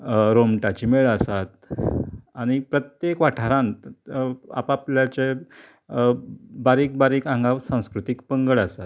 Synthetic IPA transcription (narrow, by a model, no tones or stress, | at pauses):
ɾomʈat͡ɕimeɭəsat̪ | aɽ̃ipɾət̪jekʋaʈʰaɾãnt̪ | a̰papljat͡ɕe | baɾiːk̚baɾiːkãŋɡaʋsãw̃skɾut̪ikpəŋɡəɭəsat̪̚